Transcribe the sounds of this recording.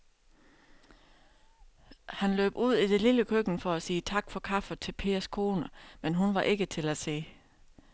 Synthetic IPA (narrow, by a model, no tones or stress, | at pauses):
hænlø̰ːb̥uð̞̰ˠid̥e̝liləkʰøɡ̥n̩fɒ̽æsiːt͡sʰɑ̈ɡ̥fɒ̽kʰɑ̈fət͡sʰe̝lpʰe̝̰ːɐskʰo̝ːnəmenɦunʋɑ̈ʔe̝ɡ̥ət͡sʰe̝læse̝̰ː